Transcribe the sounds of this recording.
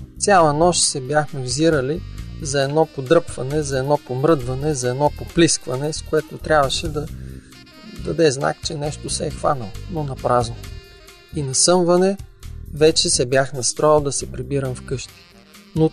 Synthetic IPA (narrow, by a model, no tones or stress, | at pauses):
t̪sʲjalˠɐnɔʃsɛbʲjaxmɛvziɾəlizɐɛd̪nɔpod̪ɾɤpvɐnɛzɐɛd̪nɔpomɾɤd̪vɐnɛzɐɛd̪nɔpopliskvɐnɛskoɛt̪ot̪ɾʲabvɐʃɛd̪ɐ | d̪ɐd̪ɛzna̰kt͡ʃɛnɛʃt̪osɛɛxva̰nəlˠnonɐpɾazno | inɐsɤmvɐnɛvɛt͡ʃɛsɛbjaxnɐst̪ɾɔilˠd̪ɐsɛpɾibiɾɐmfkɤʃt̪i̥ | no